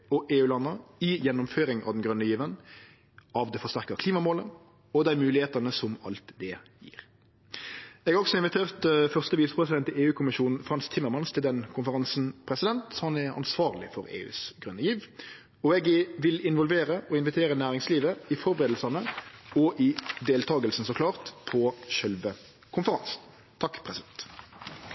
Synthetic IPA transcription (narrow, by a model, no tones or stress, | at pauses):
ɔʔeːʉːlɑnːəɪjɛnːʊmføːɾɪŋɑ̰ʋd̪ɛnɡɾœnːəjiːʋən | ʔɑʋd̪ɛfɔst̪æʁkəkʰliːmɑmoːlən | ɔd̪æɪmʉːlɪheːt̪ɑnəsɔmɑ̰lt̪d̪ɛjḭːʁ | ɛɡɑɔksɔɪnʋɪt̪ʰeːʁt̪fœʁst̪əʋiːsə̥pʰɾɛsɪd̪ɛnt̪əeːʉːkʰʊmɪʃuːnn̩fʁɑnst̪ʰːɪmːəɾmɑnst̪ʰɪld̪ɛnkʰʊnfəɾʁɑnsn̩pʰɾɛsɪd̪ɛnt̪hɑnɛɾɑ̰nsʋɑːʁlɪ̰fɔʁḛːʉ̰ːsɡʁʉnːəjiːʋ | ɔɛɡʋɪlɪnʋɔlʋeːɾəʔɔɪnʋɪt̪ʰeːɾənæːʁɪŋsliːʋəɪfɔɾbəʁeːd̪l̩sɑnəɔʔɪd̪eːlt̪ʰɑːɡəlsn̩sɔkʰlɑːʁt̪pʰɔʃœlʋə | kʰʊnfəʁɑnsn | t̪ʰɑkːpʰʁɛsɪd̪ɛnt̪